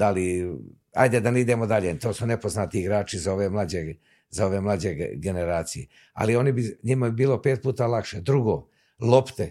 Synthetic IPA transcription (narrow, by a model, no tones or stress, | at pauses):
ali | a̰jd̪ed̪aneid̪emod̪aʎet̪o̞ːsune̞po̞znat̪iiɡɾaːt͡ʃizao̞ʋemlˠad͡ʑe | zao̞ʋe̞ːmlˠaːd͡ʑeɡe̞ne̞ɾaːt̪sijḛ | a̰lio̞nibiɲimabiːlo̞peːt̪̚puːt̪aːlakʃed̪ɾuɡo̞ː | lˠopt̪e